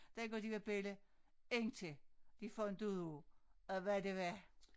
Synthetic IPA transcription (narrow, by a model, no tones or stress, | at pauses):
d̥æɡ̥ɒd̥iʋeb̥eləeŋt͡sʰed̥ifɒend̥uðˠu | ʋædeʋæ